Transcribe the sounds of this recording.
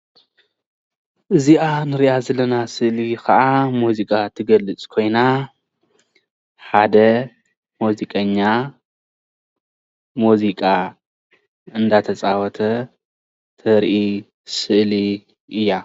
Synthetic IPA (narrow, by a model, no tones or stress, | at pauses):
ʔɨziʔanɨɾiʔazɐlɐnasɨʔlikɐʔamuzikʼat̪ʰɨɡɐlːɨt͡sʼkʰo̞jna | ħad̪ɐ | muzikʼɐɲːa | muzikʼa | ɨnd̪at̪ʰɐt͡sʼawɔt̪ʰɐ | t̪ʰɐɾʔi | sɨʔli | ʔɨjːa